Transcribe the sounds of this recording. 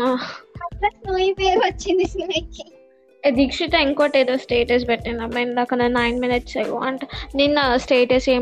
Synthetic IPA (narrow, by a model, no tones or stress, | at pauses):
aːɐɾɐsnoːjipeːʋɐt͡ʃːind̪isilɐki | ed̪ʱikʂit̪ɐ̃iŋkoːʈeːd̪oːsʈeːʈes̬bɛʈːinɐmenakɐnd̪ɐnajnminiʈsajʋa̰ːɳʈniːnsʈeːʈeseː